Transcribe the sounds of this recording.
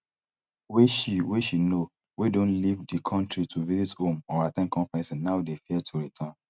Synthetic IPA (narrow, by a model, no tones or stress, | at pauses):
weʃiweʃino | widõnlivdikʰɔ̃ntɹitʰuvizithõmɔ̃atɛ̃nkʰɔ̃fɹɛ̃nsnaʊdefiɛtʰuɹitʰãn